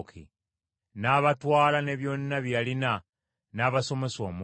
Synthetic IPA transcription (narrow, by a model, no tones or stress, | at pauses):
kʰḭ | naβatwaːlaneβjonnaβjalina | naβaso̞mesomu